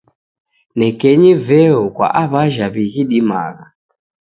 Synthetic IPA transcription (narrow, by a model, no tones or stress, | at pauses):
nɛkɛɲivɛɔkwa̰ʔaβaʒaβiɣiɗima̰ɣa